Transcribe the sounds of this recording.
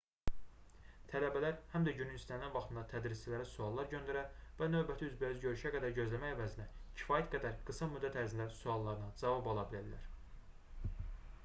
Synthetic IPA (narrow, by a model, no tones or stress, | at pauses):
t̪ʰælæbælæɾhæmd̪æɟynynisænlænvɑxt̪ɯnd̪ɑt̪ʰæd̪ɾist͡ʃilæɾisuɑlˠːɑɾɟø̞nd̪æɾæɾvænø̞bæt̪ʰiyzbiyzɟø̞ɾyʃæɡæd̪æɾɟø̞zlæmæjævæzinæcʰi̥fɑːjæt̪ɡæd̪æɾɡ̥ɯsɑmyd̪ːæt̪ʰæɾzinlæɾisuɑlˠːɑɾɯnɑd͡ʒɑvɑbolˠɑbilæd̪læ̰ɾ̥